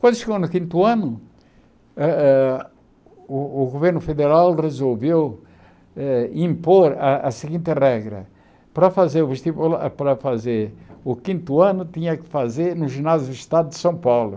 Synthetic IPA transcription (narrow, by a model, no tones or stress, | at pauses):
kwɐ̃nd̪ʊʃɪɣownʊkĩnt̪uɐ̃nʊ | ʊːɣoveɾnʊfeðeɾalrezolvew | ɛĩmpoɾɐɐsɪɣĩnt̪ɪʁɛɣɾɐ̰ | pɾɐfazeɾuveʃt̪ivlapɾɐfazeɾʊkĩnt̪uɐ̃nʊt̪ĩɲɐkɪ̥fazeɾnʊʒinazjuiʃt̪ad̪ʊd̪ɪ̥sɐ̃w̃pawlʊ